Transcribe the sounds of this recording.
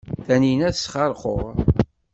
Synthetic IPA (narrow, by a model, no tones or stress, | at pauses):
θæninæθəsχɑɾˤqo̰ʁ